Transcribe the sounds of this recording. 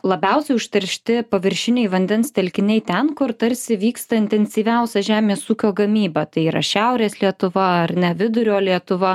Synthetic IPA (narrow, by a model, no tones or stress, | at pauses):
lˠɐbʲɛʊsʲɛɪʊʃʲt̪ʲɐɾʲʃʲt̪ʲɪpɐʋʲɪɾʲʃʲɪnʲɛɪʋɐnʲd̪ʲɛnst̪ʲɛlʲkʲɪnʲɛɪt̪ʲɛnkʊɾt̪ɐɾʲsʲɪʋʲiːkst̪ɐɪnʲt̪ʲɛnʲsʲiːʋʲɛʊsʲɛʒʲæːmʲeːsuːkʲoːɡɐmʲiːbɐt̪ɐɪiːɾɐ̰ʃʲæʊɾʲeːslʲiɛt̪ʊʋɐɐɾnʲɛʋʲɪd̪ʊɾʲoːlʲiɛt̪ʊʋɐ